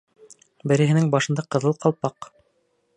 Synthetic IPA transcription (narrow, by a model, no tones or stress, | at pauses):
bɘ̆ɾɘ̆ɦɘ̆nɘŋbɑʃɤ̆nd̪ɑqɤ̆ðɤlˠqɑlˠpɑq